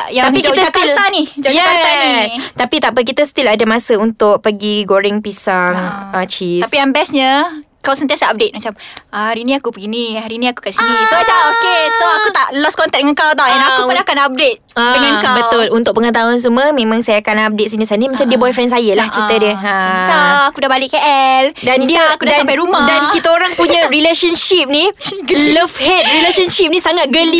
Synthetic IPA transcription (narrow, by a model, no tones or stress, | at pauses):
jat̪aŋpikd͡ʒkit̪əsk̪ilt̪anid͡ʒɔʔjɛkaanist̪apit̪apəkit̪əsə̥t̪iladəmasəunt̪ʊʔ̚pəɡiɡoɾɪŋpisaŋət͡ʃisapijaŋbɛsɲə | kawsənt̪iasaʔap̚det̪̚mat͡ʃaməhaɾinĩakupəɡinihaɾiniaku̥kasinisoat͡ʃaokesoakut̪aʔlɔskɔnt̪ɛk̚dəŋankawt̪̬awdɛnakuʊnakanap̚det̪̚dəŋãnkabət̪ʊlunt̪ʊk̚pəŋət̪̬aʊns̬uməmẽmãŋsajaːkanap̚det̪̚sinisanimat͡ʃamdiəbɔjfɾɛnsajəlaht͡ʃit̪ədiəasaakudahbalɪʔkkəʔɛldandiəakudadasampajɾumadankit̪aoɾaŋpuɲãɾileʃənʃip̚niləfhɛt̪̚ɾileʃənʃip̚nĩsaŋat̪̚ɡəli